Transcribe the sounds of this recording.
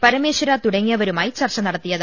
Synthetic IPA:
pɐɾɐmeːʂɐɾaːt̪ʊɽɐŋɡijɐʋɐɾɯmaːjt͡ʃɐrt͡ʃɐnɐɽɐt̪ːɪjɐð

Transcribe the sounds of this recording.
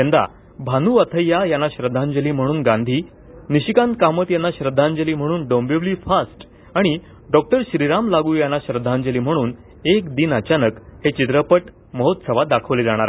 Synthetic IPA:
ẽnd̪a̰ | bʱanuːət̪ʰəjːajanːaɕɾəd̪ʱːãɲd͡ʑəliːm̤əɽ̃uːnɡãnd̪ʱiː | niɕikant̪̚kamət̪janːaɕɾəd̪ʱːãɲd͡ʑəliːm̤əɽ̃uːnɖombeʋliːfasʈ | aɽ̃i | ɖɔk̚ʈəɾɕɾiɾamlaɡuːjanːaɕɾəd̪ʱãɲd͡ʑəliːm̤əɽ̃uːn | ekd̪iːnət͡ɕanəkhet͡ɕit̪ɾəpəʈ | məɦot̪səʋad̪akʰəʋled͡zaɽ̃aɾa

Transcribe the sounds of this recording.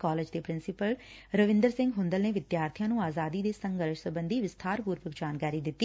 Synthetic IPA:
kaːleːd͡ʒd̪eːpɾɪnsɪpəlɾəʋɪ̃nd̪əɾsɪ̃ŋɡɦʊ̃nd̪əlneːʋɪd̪jaːɾt̪ʰijãːnũːaːzaːd̪iːd̪eːsə̃ŋɡəɾʃsəbə̃nd̪iːʋɪst̪ʰaːɾpuːɾpəkd͡ʒaːnkaːɾiːd̪ɪt̪ːiː

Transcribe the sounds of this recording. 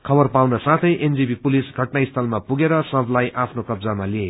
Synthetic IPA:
kʰʌbʌrpawnasãt̪ʰʌjʔend͡zibipulisɡʱʌʈnaist̪ʰʌlmapuɡeɾʌsʌbʱlajʔapʰnokʌbd͡zamalie

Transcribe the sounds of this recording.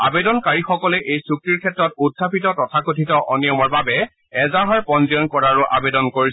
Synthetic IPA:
a̰bedɔnkaɹixɔkɔlɛʔejsukɹiɹkʰɛtɹɔtudʱːapitɔtɔtʰakotʰitɔʔɔnijɔmɔɹbabɛ | ɛzaɦaɹpɔnziɔnkɔɹaɹʊʔa̰bedɔnkoɹis

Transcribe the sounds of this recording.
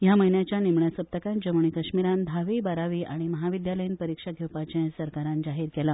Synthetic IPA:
jaməɦinjat͡ɕjanimɳjasəp̚t̪əkãnd͡ʑəmuɳ̃ikəɕmiɾãnd̪ʱaʋiːbaɾaʋiːʔaɽ̃iməɦaʋid̪jaləjinpəɾikʂaɡʱewpat͡ɕẽsəɾkaɾãnd͡ʑaɦiːɾkɛla

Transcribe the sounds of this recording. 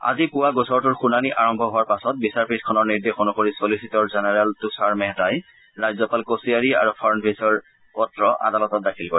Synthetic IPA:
a̰zikʊwaɡʊsɔɹtʊɹxunaniʔaɹɔmbʱɔɦʊwaɹpasɔt̚bisaɹpʰitʰkʰɔnɔɹniɹdexonukoɹisolisitɔɹzɛnɛɹɛltusaɹmɛɦɛtaj | ɹajzɔpalkosiaɹia̰ɹupʰɔɹnbʱesɔɹ | pɔtɹɔʔa̰dalɔtɔt̚dakʰilkoi

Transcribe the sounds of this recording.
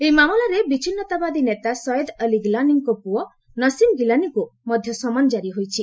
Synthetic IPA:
eimamɔlaɾebit͡ʃʰinːɔt̪abad̪inet̪asɔjɔd̪əliɡilaniŋkɔpuɔ | nɔsimɡilanikumɔd̪ʱjɔsɔmanɔd͡ʒaɾiɦojt͡ʃʰi

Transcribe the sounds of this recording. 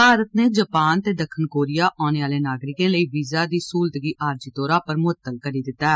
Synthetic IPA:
paːɾət̪neːd͡ʒəpaːnt̪eːd̪əkʰːənkoːɾijaːʔɔːñeːaːleːnaːɡɾɪkẽːləiːʋiːzaːd̪iːsuːld̪ɡiːʔaːɾd͡ʒiːt̪oːɾaːpəɾmʊt̪ːəlkəɾiːd̪ɪt̪ːaːɛː

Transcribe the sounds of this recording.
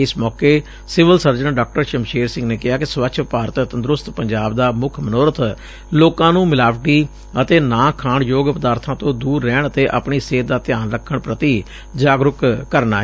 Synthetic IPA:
ɪsmɔːkeː | sɪʋəlsəɾd͡ʒənɖaːk̚ʈəɾʃəmʃeːɾsɪ̃ŋɡneːkɪɦaːkɪsʋəkʃʰpaːɾət̪ənd̪ɾʊst̪pəɲd͡ʒaːbd̪aːmʊkʰmənɔːɾət̪ | loːkãːnũːmɪlaːʋʈiː | ət̪eːnãːkʰaːɳjoːɡpəd̪aːɾt̪ʰãːt̪õːd̪uːɾːɛːɳ̃ət̪eːʔa̰pɳiːseːd̪aːt̪ɪjaːnɾəkʰːəɳpɾət̪iː | d͡ʒaːɡɾʊkkːəɾnaːɛ

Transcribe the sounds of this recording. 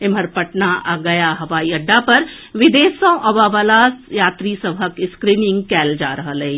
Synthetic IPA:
ɪmɐɾpəʈnaʔaɡɐjaɦɐʋaːiɐɖːapɐɾ | ʋɪd̪eːsɔ̃ːʔɐʋaʋəlajaːt̪ɾiːsəbʱəkɪskɾiːnɪ̃ŋɡkɛːld͡ʒaːɾɐɦəleː

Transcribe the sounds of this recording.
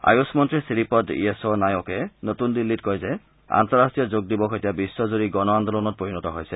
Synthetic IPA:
a̰jusmɔntɹisiɹipɔdḭesonajokɛnotundilːitkɔjzɛ | a̰ntɔɹastijɔzoɡ̚dibɔkʰetijabisːɔzoɹiɡɔnɔand̪ɔlɔnɔt̚poɹinɔtɔɦojsɛ

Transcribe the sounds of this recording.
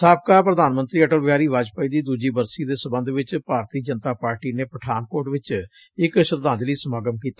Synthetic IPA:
saːb̚kaːpɾəd̪aːnmənt̪ɾiːəʈəlʋɪaːɾiːʋaːd͡ʒpəiːd̪iːd̪uːd͡ʒiːbəɾsiːd̪eːsəbənd̪ʋɪt͡ʃpaːɾt̪iːd͡ʒənt̪aːpaːɾʈiːneːpəʈʰaːnkoːʈʋɪt͡ʃ | ɪkʃəɾd̪ãːnd͡ʒliːsəmaːɡəmkiːt̪ḁ

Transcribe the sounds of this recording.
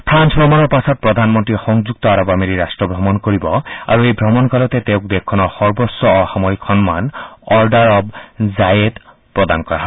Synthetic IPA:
pʰɾansbʱɾɔmɔnɔɾpasɔt̪̚pɹɔd̪ʱanmɔnt̪ɾixɔŋd͡ʒuk̚t̪ɔaɾɔbameɾiɾasʈɹɔbʱɾɔmɔnkoɹibɔa̰ɾuejbʱɾɔmɔnkalɔt̪et̪ewk̚d̪ekʰːɔnɔxɔɹbɔsːɔːhamɔikʰxɔnmanɔɹɖaɾɔbzajed̪ | pɹɔd̪ankɔɹaɦɔ

